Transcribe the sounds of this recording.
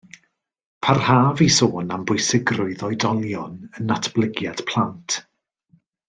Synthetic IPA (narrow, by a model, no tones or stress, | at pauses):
pʰarhaːvisoːnambʊɨsɪɡrʊɨðɔɨdɔlˠjɔnənatʰb̥lˠɪɡjad̥pʰl̥ˠantʰ